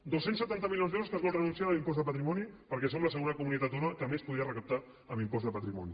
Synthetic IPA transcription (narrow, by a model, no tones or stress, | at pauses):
d̪osensət̪ant̪̬əmiljonzðɛwɾuskazβɔlˠt̪rənunsiaəlimpɔzðəpət̪ɾimɔnipəɾkɛsomləsəɣunakumunit̪at̪onakəmespuðiərəkəp̚t̪a | əmimpɔzðəpət̪ɾimɔ̰ni